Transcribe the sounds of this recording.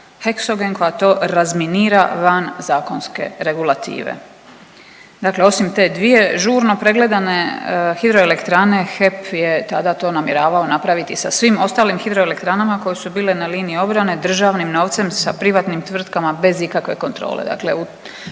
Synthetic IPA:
heksoɡenko̞jat̪o̞ːɾazminiːɾaʋanzaːko̞nske̞̰ɾe̞ɡulˠat̪ḭːʋḛ | d̪akle̞o̞simt̪e̞d̪ʋije̞ʒuːɾno̞pɾe̞ɡle̞d̪ane̞xid̪ɾoele̞kt̪ɾane̞xe̞pje̞t̪ad̪at̪o̞ːnamje̞ɾaːʋao̞napɾaʋit̪isasʋimo̞st̪aːlimxid̪ɾo̞ele̞k̚t̪ɾanamako̞jesubiːle̞naliːniio̞bɾane̞d̪r̩ʒaʋnimno̞ːʋt̪se̞msa̰pɾiʋat̪nimt̪ʋr̩t̪kamabe̞zikakʋe̞̰ko̞nt̪ɾo̰ːlḛd̪a̰kle̞̰u

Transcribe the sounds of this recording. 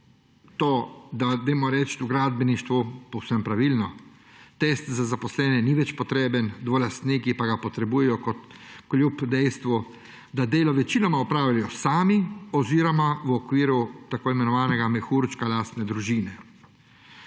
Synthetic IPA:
t̪oːd̪ad̪emɔɾɛt͡ʃt̪uɡɾaːd̪̚bʲɛniʃt̪ʋupɔwsɛmpɾaʋiːlnɔ | t̪est̪zazapɔslɛːnɛniʋɛt͡ʃpɔt̪ɾeːbənd̪ʋɔlast̪niːkipaɡapɔt̪ɾɛbuːjɛjɔkɔt̪kljupd̪ɛjst̪ʋu | d̪ad̪eːlɔʋɛt͡ʃiːnɔmaɔpɾaːwjʲajɔsaːmiɔziːɾɔmawɔkʋiːɾut̪akoːimɛnɔʋaːnɛɡamɛxuɾt͡ʃkalaːst̪nɛd̪ɾuʒiːnɛ

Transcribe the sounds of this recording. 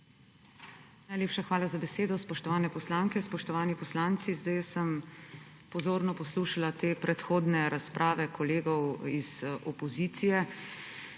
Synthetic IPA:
najleːpʃaxʋaːlazabɛseːd̪ɔspɔʃt̪ɔʋaːnɛpɔslaːŋkɛspɔʃt̪ɔʋaːnipɔslaːnt̪sizd̪ajsəm | pɔzoːɾnɔpɔsluːʃalat̪eːpɾɛt̪xoːd̪nɛɾaspɾʔaːʋɛkʰɔleːɡɔwiz̥ɔpɔziːt̪sijɛ

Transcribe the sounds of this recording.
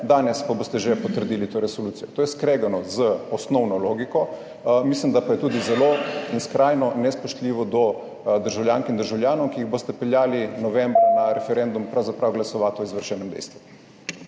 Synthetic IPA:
d̪aːnɛspaboːst̪ɛʒɛpɔt̪əɾd̪iːlit̪oːɾɛsoluːt̪sijɔt̪oːjɛskɾeːɡanɔzəɔsnɔwnɔloːɡikɔ | mislimd̪apajɛt̪uːd̪izɛloinskɾajnɔnɛspoʃt̪liːʋɔd̪ɔ | d̪əɾʒawljaŋkimd̪əɾʒawljaːnɔwkiiɣbost̪ɛpɛljaːlinɔʋɛmbɾunaɾɛfɛɾɛnd̪umpɾawzapɾawɡlasɔʋaːt̪ɔizʋəɾʃɛːnɛmd̪ɛ̰jst̪ʋu

